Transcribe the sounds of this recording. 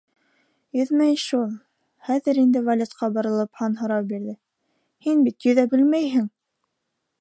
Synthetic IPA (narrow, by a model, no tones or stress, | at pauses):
jɵðmæjʃulˠ | χæðɘɾind̪ɘvɐlʲut̪qɑbɑ̆ɾɤ̆lˠɤphɑnɦɤ̆ɾɑwbiɾðɘ | hinbit̪jɵ̆ðæbɘlmæjɦɘŋ